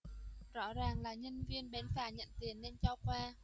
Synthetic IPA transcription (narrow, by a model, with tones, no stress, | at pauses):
zɔ̰˧˥zaː˨˩ŋlaː˨˩ɲə˧nvi˧ənɓɛ˨˦nfaː˧˩ɲə̰˧˨nt̪i˨˩ənːe˧nt͡ɕɔ˧kwaː˧